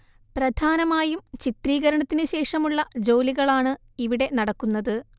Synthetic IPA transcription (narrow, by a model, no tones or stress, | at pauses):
prɐd̪ʱaːnɐmaːjumt͡ɕit̪riːɣɐɾɐɳɐt̪ːinɨɕe̞ːʂɐmuɭːɐd͡ʑo̞ːliɣɐɭaːɳɨ | iʋiɽe̞nɐɽɐkːunːɐðɨ